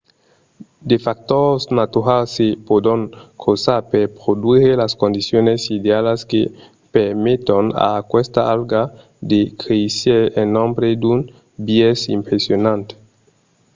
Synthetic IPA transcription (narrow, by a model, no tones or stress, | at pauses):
d̪efak̚t̪osnat̪uɾalsepod̪oŋkʰosaɾpeɾpɾod̪uɾelaskond̪isjonesid̪ealeske | peɾmet̪ona̰kwest̪aalɡa | d̪ekɾeseɾenːõmbɾed̪un | bjesḭmpɾesjonãnt̪e̥